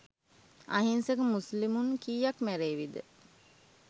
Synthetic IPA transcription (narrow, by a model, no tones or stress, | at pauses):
a̰ɦinsekəmuslimuŋkiːjakmæɾeːʋid̪ə̰